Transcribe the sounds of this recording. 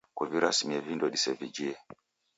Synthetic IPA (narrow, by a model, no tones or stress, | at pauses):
kwaviɾasimiɛvindɔɗisɛvid͡ʒiɛ